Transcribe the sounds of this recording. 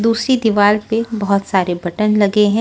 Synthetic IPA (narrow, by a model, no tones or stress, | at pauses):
d̪uːsɾid̪ɪʋaːlpebɐɦʊt̪saːɾebʱɐʈənlɐɡeɦɛ̃